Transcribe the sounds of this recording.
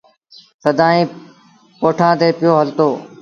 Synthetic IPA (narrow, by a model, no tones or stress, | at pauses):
səd̪ʱãːĩː | poːʈʰãːt̪eːpɪjoːɦəlt̪oː